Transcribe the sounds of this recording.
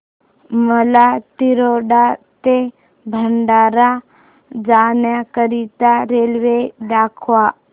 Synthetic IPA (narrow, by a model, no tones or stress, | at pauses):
məlat̪iɾoɖat̪e | bʱəɳɖaɾa | d͡ʒanjakəɾit̪aɾelʋedakʰʋa